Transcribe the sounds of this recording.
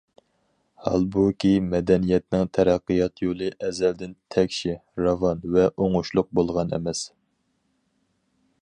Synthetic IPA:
hɑ̰lˠbukʲʰimɛd̪ɛnijɛt̪nɪŋt̪ʰæɾæqːɨjɑqt̪ʰjolˠɨʔɛzɛld̪ɪnt̪ʰɛkʲʃiɾɑvɑnvɛʔoŋʊʃlˠʊq̚bolˠʁɑnɛ̰mɛs

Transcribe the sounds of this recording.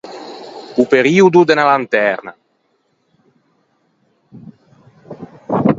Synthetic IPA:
upeɾiːud̪ud̪enalant̪ɛɾna̰

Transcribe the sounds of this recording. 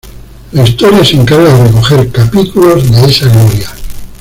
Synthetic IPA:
laist̪oɾjaseŋkaɾɣaðereko̞xe̞ɾkapit̪ulo̞zðeesaɣloɾja

